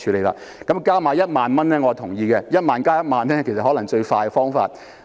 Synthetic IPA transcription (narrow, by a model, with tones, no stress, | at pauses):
t͡ʃʰyː˨˧le˨˧jlaː˧ | kɐ˨˦˥mkaː˥maː˨˧jɐ˥t̚maː˨nmɐ˥nːɛː˥ŋɔ˨˧t̪ʰʊ˨˩ŋjiː˧kɛ˧jɐ˥t̚maː˨˧nkaː˥jɐ˥t̚maː˨˧nːɛː˥kʰe˨˩sɐ˨hɔː˨˥lɐ˨˩ŋt͡ʃɵ˧ɥfaː˧jɡɛ˧fɔː˥ŋfa̰ː˧t̚